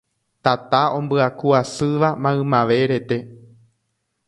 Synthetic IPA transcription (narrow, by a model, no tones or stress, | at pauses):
t̪at̪aõ̞mbɨakuasɨʋamãɨ̃mãʋe̞ɾe̞t̪e̞